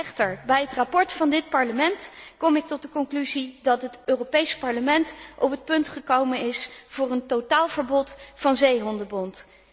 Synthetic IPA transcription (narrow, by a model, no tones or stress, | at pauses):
ɛχtəɹbɛjɦətrapɔɹtfɑndɪt̚pɑɹləmɛntkɔmɪk̚tɔt̚dəkɔŋklyzidɑtɦətøːropejspɑɹləmɛntɔpɦət̚pɵntχəkowmənɪsv̥ʊːrəntowtaːlˠv̥əɹbɔtfɑnzejɦɔndəbɔnt